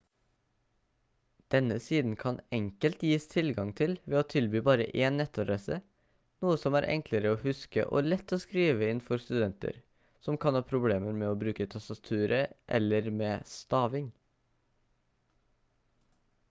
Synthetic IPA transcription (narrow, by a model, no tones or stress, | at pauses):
d̪̥ɛnəsiːd̪n̩kʰɑnɛŋkəlt̪jiːst̪ʰɪlɡɑŋt̪ʰɪlʋeːoːt̪ʰɪlbyːbɑːɾəʔeːnnɛt̪ɔɾeːsə | nuːəsɔmæːɾʔɛ̰ŋkləɾəoːhʉskə̰ʔo̰ːlɛt̪ːoːskɾiːʋəɪnfɔɾst̪ʉd̪ɛnt̪ə̰ɾ | sɔmkʰɑnhɑːpʰɾʊbleːməɾmeːoːbɾʉːkət̪ʰɑst̪ɑt̪ʰʉːɾəʔɛ̰ləɾmeːst̪ɑːʋɪŋ